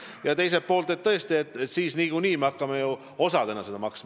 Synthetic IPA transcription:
jɑt̪e̞js̬e̞t̪̚po̞ːlt̪et̪t̪ːɤ̞est̪ie̞t̪ːˑsiːsniːkuniːmeɑkːɑmeju | o̞sɑd̪e̞nɑse̞d̪ɑmɑksmɑ

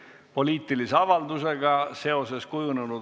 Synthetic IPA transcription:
po̞lʲiːt̪ˑilise̞ɑvɑld̪use̞ɡɑse̞o̞se̞skujunenud̪

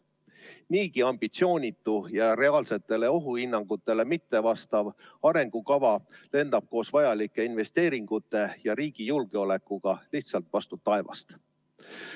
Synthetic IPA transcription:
niːkiɑmb̥it̪sio̞ːnʲit̪ːˑujɑɾe̞ɑːlse̞t̪ːˑe̞le̞o̞ɦuhinːɑŋɡ̥ut̪ːˑe̞le̞mit̪ːe̞vɑst̪ɑvɑɾe̞ŋɡ̥ukɑvɑle̞nd̪ɑb̥̚ko̞ːsvɑjɑlikˑːe̞inve̞st̪e̞ːɾiŋɡ̥ut̪ːˑe̞jɑɾiːɡ̥ijulɡ̥e̞o̞le̞kːˑuɡ̥ɑliht̪sɑlt̪ˑvɑst̪ut̪ːɑevɑ̰st̪

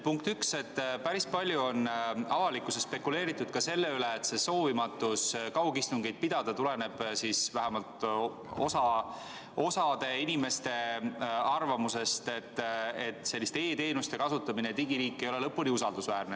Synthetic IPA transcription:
puŋk̚t̪ykse̞t̪ːpæɾispɑlʲjuo̞nɑvɑlikusespe̞kule̞ːɾit̪ːˑud̪̥̚kɑse̞lːe̞yle̞ːt̪se̞so̞ːvimɑt̪ːˑuskɑwkist̪uŋɡejd̪̥̚pid̪̥ɑd̪̥ɑt̪ule̞ne̞b̥sisvæɦæmɑlt̪ | o̞sɑ | o̞sɑd̪̥e̞inime̞st̪e̞ | ɑrvɑmuse̞st̪e̞t̪ːe̞t̪ːˑse̞lʲːist̪ee̞ːt̪e̞ːnust̪e̞kɑsut̪ːˑɑminet̪iɡiɾiːkːˑe̞jo̞le̞lɤpːulʲiusɑld̪usvæːrne

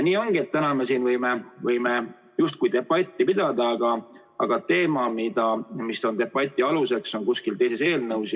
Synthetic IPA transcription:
niːo̞ŋɡ̥iet̪t̪ːænɑmesiːnvɤjmevɤjme | just̪̚kujd̪e̞pːɑt̪ʲːˑipid̪̥ɑd̪ɑːɡ̥ɑ | ɑ̰ɡ̥ɑt̪e̞ːmɑmid̪̥ɑmisːo̞nt̪e̞pːɑt̪ʲːˑiɑluse̞kso̞nkuskilt̪e̞jse̞se̞ːlnɤwsi

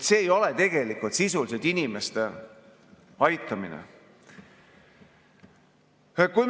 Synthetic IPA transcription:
t̪seːjo̞let̪e̞ɡ̥e̞likːˑult̪sisulised̪̥inime̞st̪e̞ | ɑjt̪ːˑɑmḭnḛ | kuj

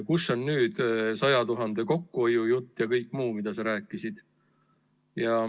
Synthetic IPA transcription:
kusːo̞nnyːd̪̥sɑjɑt̪uɦɑnd̪̥e̞ko̞kːuo̞jujut̪ːjɑkɤjkːˑmuːmid̪̥ɑsɑɾæːkːˑisid̪̥ | jɑ

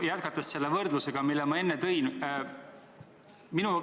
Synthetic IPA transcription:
jæt̪̚kɑt̪ːˑɑsːe̞lːevɤrd̪luse̞ɡ̥ɑmilːemɑe̞nːet̪ɤ̞jn | minu

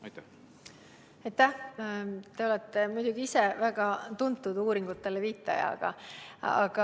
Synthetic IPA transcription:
jt̪ | ɑjt̪ːæh | t̪e̞o̞lɛt̪ːemujd̪̥ʲuɡ̥iisevæɡ̥ɑt̪unt̪ːˑud̪uːɾiŋɡut̪ːelːeviːt̪ːˑɑ̰jɑ̰ɡ̥ɑ̰ɑ̰ɡ̥ɑ

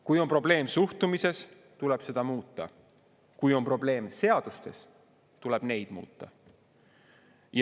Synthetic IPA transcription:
kujo̞npro̞ble̞ːmsuht̪umise̞s | t̪ule̞b̥se̞d̪̥ɑmuːt̪ˑːɑ̰ | kujo̞mpro̞ble̞ːmse̞ɑd̪̥ust̪e̞s | t̪ule̞b̥ne̞jd̪̥mṵːt̪ːˑɑ̰ | j

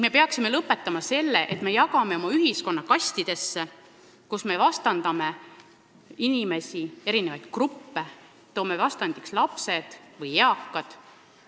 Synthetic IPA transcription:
ŋ̥me̞pe̞ɑksime̞lɤpːˑe̞t̪ːˑɑmɑse̞lːeʔet̪me̞jɑkɑmeo̞mɑyɦisko̞nːɑkɑsʲt̪id̪̥e̞sːe | kusme̞vɑst̪ɑnd̪ɑme̞ | inime̞sʲie̞ɾine̞vɑjd̪̥krupːe | t̪o̞ːme̞vɑst̪ɑnd̪ikslɑpse̞d̪̥vɯjeɑkːɑd̪̥

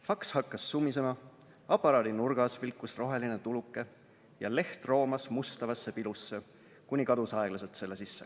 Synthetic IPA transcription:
fɑkshɑkːɑsːumːis̬e̞mɑ | ɑpːˑɑɾɑːd̪inurɡ̥ɑsvilkːˑusro̞ɦe̞line̞t̪ulukːˑe̞ | jɑle̞ht̪ro̞ːmɑsmust̪ɑvɑsːe̞pilusːe̞ | kunʲikɑd̪usɑe̞ɡ̥lɑset̪se̞lːe̞sisːe̞̥̰

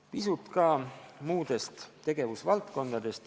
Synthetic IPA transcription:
pisut̪ˑkɑːmuːd̪̥e̞st̪t̪ːe̞ɡ̥e̞vusvɑlt̪ko̞nd̪̥ɑd̪̥e̞st̪

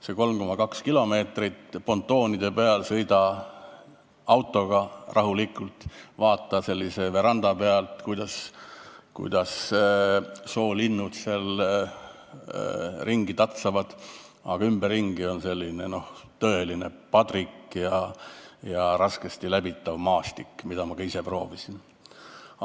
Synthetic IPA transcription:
seko̞lmko̞mɑkɑkskilo̞me̞ːt̪rit̪po̞nt̪ːˑo̞ːnid̪̥e̞peɑlsɤjd̪̥ɑ | ɑwt̪ːˑo̞ɡ̥ɑrʔɑɦulikːˑult̪ˑvɑːt̪ˑːɑse̞lʲːise̞ve̞ɾɑnd̪̥ɑpeɑlt̪kujd̪ɑs | kṵjd̪̥ɑs | so̞ːlinːut̪sel | riŋɡ̥it̪ɑt̪sɑvɑd̪̥ɑ̰ɡ̥ɑymb̥erːiŋɡio̞nse̞lʲːine̞no̞ht̪ɤ̞e̞line̞̰pɑt̪rikjɑjɑɾɑskest̪ilæbit̪ːɑvmɑːst̪ikːmid̪̥ɑmɑɡ̥ɑise̞pro̞ːvisin

